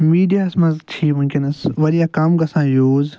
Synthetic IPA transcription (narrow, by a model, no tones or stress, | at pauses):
miːɖijaːsmɐzt͡ʃʰiːmʊ̃mkʲɪnɐsʋɐɾijaːkaːmɡɐsãːjoːz